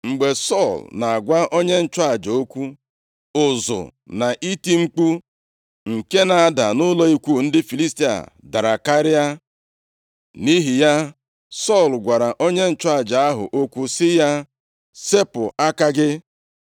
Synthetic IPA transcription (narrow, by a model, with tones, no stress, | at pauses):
ŋ͡m̩˨ɡ͡be˨sɔ˦˨lna˨a˨ɡʷa˦ʔo˦ɲe˦n̩˦t͡ʃa˦˨d͡ʒo˦kʷu˦ | ʊ˨zʊ̰˨na˨ʔi˦ti˦ŋ͡m̩˦k͡pu˦ | ŋ̩˨ke˦na˨a˨da̰˨nʊ˦lɔ˦i˦kʷu˦˨n̩˦dɪ˦fi˨li˦sti˦a̰˨ | da˨ɾa˨ka˦ɾɪ˦a˦ | ni˦ɦi˨ja˦ | sɔ˦˨lɡʷa˨ɾa˨ʔo˦ɲe˦n̩˦t͡ʃʊ˦a˦˨d͡ʒa˨a˦ɦʊ̰˨ʔo˦kʷu˦sɪ˦ja˦ | se˦pʊ˨a˦ka˦ɡɪ˦